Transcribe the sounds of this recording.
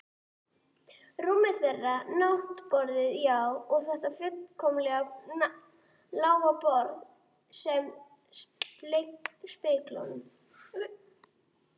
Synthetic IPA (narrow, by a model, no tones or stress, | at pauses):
ruːmɪθɛrːanaht̪pɔɾðɪðjawɔɣθɛht̪afʏtkʰɔmlɛɣa | laːwɣapɔɾð | sɛm | slejkspɪkla̰wnʏm